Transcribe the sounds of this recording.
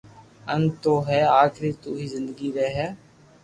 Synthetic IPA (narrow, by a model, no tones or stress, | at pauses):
ənt̪oːɦɛːaːkʰɾiːt̪uːɦiːzɪnd̪əɡiːɾɛɦɛː